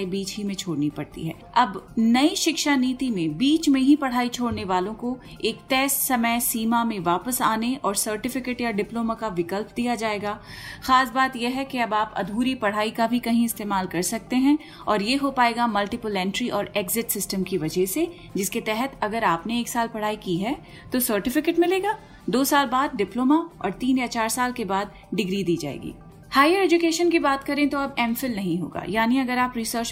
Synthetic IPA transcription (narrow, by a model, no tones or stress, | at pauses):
ibiːt͡ʃɦimẽt͡ʃʰoːɽnipɐɽt̪ḭɦɛː | ɐbnɐiʃɪkʃaniːt̪imẽbiːt͡ʃmẽɦipɐɽ̤aːit͡ʃʰoːɽneʋaːlõko | eːkʈɛːsʈsɐməjsiːmamẽʋaːpəsaːneɔːɾsəɾʈɪfɪkeːʈjaɖɪploːmakaʋɪkəlp̚d̪ijad͡ʒaːeːɡaː | xaːsbaːt̪jeɦɛkeɐbaːpɐ̰d̪ʱuːɾipɐɽ̤aːikabʱikɐɦĩɪst̪eːmaːlkɐɾsɐk̚t̪eɦɛ̃ | ɔːɾjeɦopaːeːɡamɐlʈɪpolɛ̃ːɳʈɾiʔɔːɾeːɡzɪʈsɪsʈəmkiʋɐd͡ʒʱɛɦse | d͡ʒɪsket̪ɛɦɛt̪ɐɡəɾaːpneeːksaːlpɐɽ̤aːikiɦɛ | t̪osəɾʈɪfɪkeːʈmɪleːɡaː | d̪oːsaːlbaːd̪̚ɖɪploːmaɔ̰ːɾt̪iːnjat͡ʃaːɾsaːlkebaːd̪ | ɖɪɡɾid̪iːd͡ʒa̰ːḛːɡḭː | haːjəɾeːd͡ʒʊkeːʃənkibaːt̪kɐɾẽt̪oɐbɛːmfɪlnɐɦĩɦo̰ːɡa̰ːjaːniɐɡəɾaːpɾisəɾt͡ʃ